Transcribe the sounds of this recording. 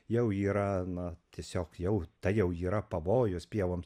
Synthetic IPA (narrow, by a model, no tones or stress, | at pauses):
jɛʊiːɾɐnɐt̪ʲiɛsʲoːkjɛʊt̪ɐɪjɛʊiːɾɐpɐʋoːjʊspʲiɛʋoːms